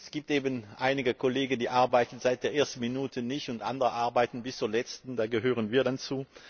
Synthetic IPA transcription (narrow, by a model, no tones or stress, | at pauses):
sɡ̥iːp̚tʔeːbənʔaɪnɪɡəkʰoleːɡən̩diːʔaɐbaɪtn̩zaɪt̚d̥eːɐʔeːɐstn̩minuːtʰənɪçtʊntʔa̰ndəʁəʔaɐbaɪtn̩bɪst͡suːɐlɛt͡stn̩daːɡəɦøːʁənviːɐdant͡suː